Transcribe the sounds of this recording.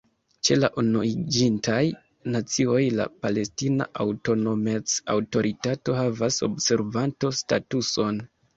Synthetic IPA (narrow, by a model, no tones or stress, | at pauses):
t͡ʃe̞laʔunoid͡ʒintaj | nat͡sio̞jla̰pale̞stina̰ʔawto̞no̞met͡sa̰wto̞ɾʔitato̞havaso̞̰bse̞ɾvanto̞statuso̞n